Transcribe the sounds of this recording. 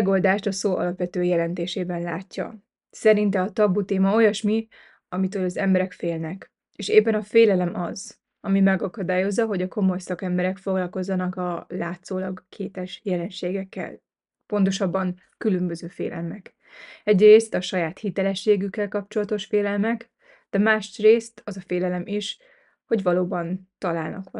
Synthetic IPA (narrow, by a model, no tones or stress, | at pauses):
ɡo̞ld̪aːʃt̪ɒsoːʔɒ̰lɒpʋɛt̪øːjɛlɛnt̪eːʃeːbɛnlaːcːɒ̰ | sɛɾint̪ɛɒt̪ɒbut̪eːmɒo̞jɒʃmi | ɒmit̪øːlɒzɛmbɛɾɛkfeːlnɛk | eːʃeːpːɛnɒfeːlɛlɛmɒ̰z | ɒmimɛɡɒkɒd̪aːjo̞zːɒɦo̞ɟɒko̞mo̞jsɒkɛmbɛɾɛkfo̞ɡlɒlko̞zːɒnɒkɒlaːt̪soːlɒɡkʰeːt̪ɛʃjɛlɛnʃeːɡɛkːɛ̰l | po̞nt̪̬o̞ʃɒbːɒŋ | kylømbø̞zøːfḛːlʔɛ̰lmɛk | ɛɟreːst̪ɒʃɒjaːt̪hit̪ɛlɛʃːeːɡykːɛlkɒp̚t͡ʃo̞lɒt̪o̞ʃfeːlɛlmɛk | d̪̥ɛmaːʃreːst̪ɒzɒfeːlɛlɛmiʃ | ho̞ɟʋɒloːbɒnt̪ɒlaːlnɒ̰kʋɒ